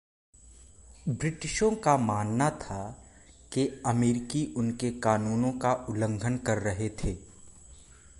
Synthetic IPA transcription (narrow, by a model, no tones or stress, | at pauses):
bɾɪʈɪʃõkamaːnːat̪ʰa | keɐmeːɾɪkiʔʊnkekaːnuːnõkaʔʊlə̃ŋɡʱənkɐɾːɐɦet̪ʰeː